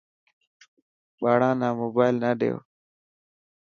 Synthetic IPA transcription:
ɓaːɽãːnaːmoːbaːjlnaɖḛːo̰

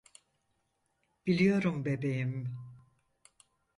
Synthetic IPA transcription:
b̥ilʲijo̞ɾumbe̞be̞jim

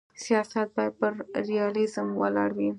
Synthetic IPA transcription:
sijɑsat̪̚bɑjad̪̚pəɾɾijɑlɪzəmwa̰lɑ̰ɽwi

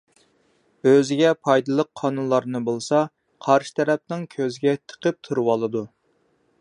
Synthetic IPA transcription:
øzɪɡʲɛpʰɑjd̪ɨlˠəqʰːɑnunlˠɑɾnɨbolˠsɑ | qʰɑɾʃɨ̥t̪ʰɛɾɛp̚nɪŋkʲʰøzɪɡʲɛt̪ʰə̥qʰəp̚t̪ʰɨɾɨwɑlˠɨd̪u

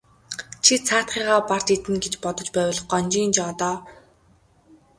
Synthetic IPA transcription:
t͡ɕʰit͡sʰaːt̪χiːʁaːpar̥t̪et̪ɘ̆nɡet͡ɕpɔt̪ɞ̆t͡ɕpæːw̆ɮɞ̆χɢɔnt͡ɕiːnt͡ɕɔːt̪ɔː

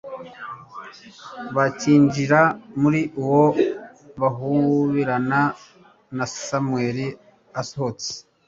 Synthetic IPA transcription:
βaciːɲd͡ʒiɾamuɾiʔuwo | βaɦuβiɾana | nasamweːɾi | asohot͡se̥

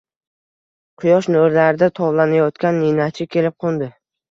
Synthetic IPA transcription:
qʰʊjɒʃnoɾlaɾɪd̪at̪ʰɒvlanajɒt̪kʲanːinat͡ʃʰɪkʲʰe̞lɪp̚qʰʊnd̪ɪ

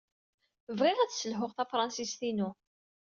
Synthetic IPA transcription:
əvʁɪʁæðsəlɦʊʁθæfɾˤɑnsist̪inu

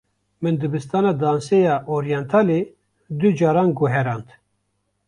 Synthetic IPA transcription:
mɨnd̪ɨbɨst̪ɑːnɑːd̪ɑːnsejɑːʔoɾijɛnt̪ʰɑːle | d̪ɨd͡ʒɑːɾɑːnɡuɦɛɾɑːnt̪

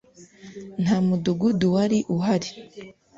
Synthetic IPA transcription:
n̥hamuduɡuduwaɾiʔuɦaɾi

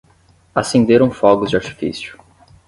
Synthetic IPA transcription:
asẽnd̪eɾɐ̃w̃fɔɡʊzd͡ʒɪaɾt͡ʃi̥fḭsjʊ̥

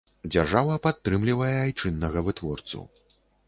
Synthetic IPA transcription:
d͡zʲarʐavɐpat̪ːɾɨmlʲivɐjɛajt͡ʂɨnːɐɣɐvɨt̪vɔrt̪sṵ

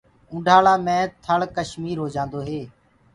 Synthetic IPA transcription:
ʊ̃ːɖʱaːɭaːmɛ̃ːt̪ʰəɭkəʃmiːɾɦoːd͡ʒãːnd̪oːɦeː

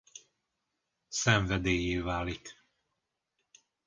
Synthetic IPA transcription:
sɛɱvɛd̪eːjeːvaːlik

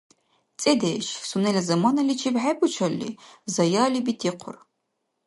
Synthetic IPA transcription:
t͡sʼedeːʃsunɐlɐzɐmɐnɐlit͡ʃʰibħabʷʼʊt͡ʃʰɐlːḭːzɐjaːlibitʰiːqʷʰʊ̰r

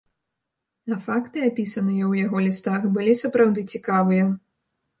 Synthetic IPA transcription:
ɐfakt̪ɨapʲisɐnɨjɐwjaɣɔlʲist̪axbɨlʲisɐpɾawd̪ɨt͡sʲikavɨjɐ

